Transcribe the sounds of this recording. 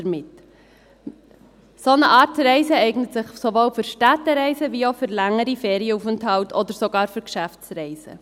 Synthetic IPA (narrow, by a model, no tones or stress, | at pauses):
əɾmɪt | sonəʔɑːɾtɾɛɪzəɛɪɡnətsɪχsovoːlfʏɾʃtætːəɾɛɪzəviːoʊfʏɾlæŋːəɾifɛːɾiəufənthɑltʰɔd̪əɾsoɡɑːɾfyɾkʃæft͡sɾɛɪzə̰